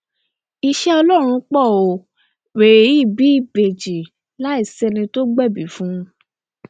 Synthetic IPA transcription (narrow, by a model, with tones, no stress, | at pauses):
i˧ʃɛ˦ɔ˧lɔ˦˨ɾ̃ũ˧k͡pɔ˦˨o˨ | we˨i˦˨bi˨˦i˦˨be˨d͡ʒi˨ | la˦i˦˨sɛ˧nĩ˧to˦ɡ͡bɛ˦˨bi˨˦fũ˦˧